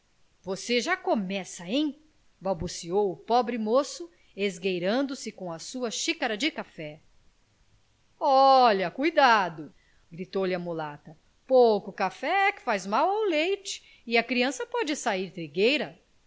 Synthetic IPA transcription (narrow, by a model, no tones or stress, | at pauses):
voseʒakomɛsɐẽj̃ | bawbusiowʊpɔbɾɪmosʊ | ezɡejɾɐ̃nd̪ʊsɪkõɐsuɐʃikaɾɐd͡ʒɪkafɛ | ɔʎɐkujd̪ad̪ʊ | ɡɾit̪owlɪɐmulat̪ɐ | powkʊkafɛɛkɪ̥fajzmawawlejt͡ʃɪ̥ | ɪɐkɾiɐ̃sɐpɔd͡ʒɪsaiɾt̪ɾiɡejɾɐ